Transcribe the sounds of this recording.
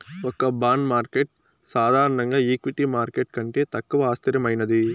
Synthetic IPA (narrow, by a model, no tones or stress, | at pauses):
ɔkɐbaːnmaːɾkeʈ̚ | saːd̪ʱaːɾɐɳɐŋɡaːiːkʋiʈimaːɾkeʈkɐɳʈe̞ːt̪ɐkːuʋɐaːst̪ʰiɾjɐmɐjnɐd̪i